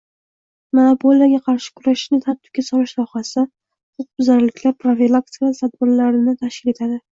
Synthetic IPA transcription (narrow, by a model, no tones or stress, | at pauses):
manopʰolijaɡʲaqʰɑɾʃɪ̥kʰʊɾaʃʃnɪt̪ʰat̪ʰɪ̥pkʲasɒɾɪʃsɒhasa | χoq̚bʊzaɾlɪkʲlaɾpʰɾofilˠak̚t̪ikat̪ʰad̪̚bɪɾlaɾɪnɪt̪ʰaʃkʲɪle̞t̪ʰad̪ɪ